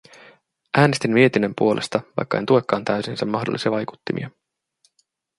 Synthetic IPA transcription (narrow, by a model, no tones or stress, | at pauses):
ʔæːnest̪immie̞t̪ine̞mpuo̞lʔe̞̰st̪ɑʋɑ̰jkːɑe̞nt̪ue̞kːɑːnt̪æɥsinsemːɑhdolːisiɑʋɑjku̥t̪ːimḭɑ